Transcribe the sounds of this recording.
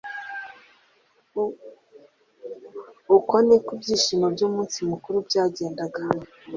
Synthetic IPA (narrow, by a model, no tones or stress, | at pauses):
ukonekubɟiːʃimobɟoːmuːnsimukuɾubɟaːɟeːndaɡane